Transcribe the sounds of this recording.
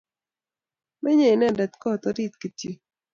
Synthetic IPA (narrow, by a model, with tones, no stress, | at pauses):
mɛ˦ɲe˦˨nɛ˦˨dɛ˨t̪kɔ˦˨t̪ɔ˦ɾi˦t̪̚ki˨tji˨